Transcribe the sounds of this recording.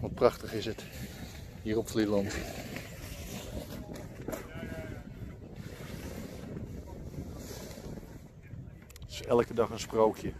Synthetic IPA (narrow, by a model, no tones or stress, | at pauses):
ʋɔt̚prɑxtəχɪsət | hiːrɔpflilɔnt | ɪ̥sɛlˠəkədɑχənsprowkʰjə